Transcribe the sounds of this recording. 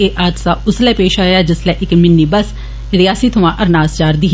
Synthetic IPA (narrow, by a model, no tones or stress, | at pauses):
eːʔaːd̪saːʊslɛːpeːʃaːjaːd͡ʒɪslɛːʔɪkmɪnːiːbəs | ɾɪjaːsiːt̪ʰʊʋãːʔəɾnaːst͡ʃaːɾd̪iː